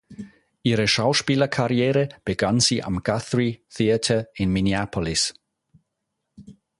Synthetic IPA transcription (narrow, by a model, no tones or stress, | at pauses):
iɾəʃawʃpiːləkʰaɾjɛːɾəb̥ɪɡansiʔa̰mɡ̥aθɹiθiətʰəɪnmɪniapʰɔlɪs